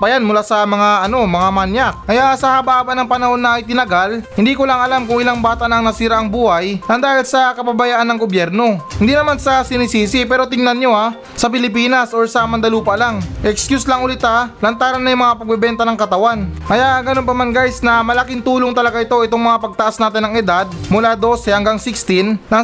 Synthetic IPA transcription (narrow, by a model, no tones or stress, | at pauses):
pɐjanmʊlaːsɐmɐŋaɐno̞mɐŋamanjak̚kɐjaʔsɐhabaʔaːbɐnɐŋpɐnɐho̞nːɐɐjt̪ɪnɐɡalhɪnd̪iːkolaŋɐlamkʊŋɪlaŋbaːt̪aʔnɐŋnɐsiːɾaʔɐŋbuːhɐjʔɐnd̪aːhɪlsɐkɐbɐbɐjaʔanːɐŋɡobjɛɾno̞hɪnd̪inɐmansɐsɪnisiːsɪpɛːɾo̞t̪ɪŋnɐnɲo̞a | sɐpɪlɪpiːnɐsʔoɹsɐmɐnd̪ɐluːpɐlaŋʔɛkskjuslɐŋʔʊlɪt̪alɐnt̪aːɾɐnːɐjʊŋmɐŋapɐɡ̚bɛbɛnt̪ɐnɐŋkɐt̪ɐwankɐjaʔɡɐno̞npɐmanɡajsnɐmɐlɐkɪnt̪uːloŋt̪ɐlɐɡaʔɪt̪o̞ʔɪt̪o̞ŋmɐŋapɐɡ̚t̪ɐʔasnaːt̪ɪnːɐŋɛd̪ad̪̚mʊlad̪o̞sɛhɐŋɡaŋsɪkst̪ɪnɐ